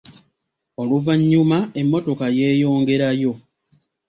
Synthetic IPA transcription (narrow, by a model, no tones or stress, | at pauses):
o̞luvaɲːumae̞mːo̞to̞kaje̞ːjo̞ːŋɡe̞ɾajo̞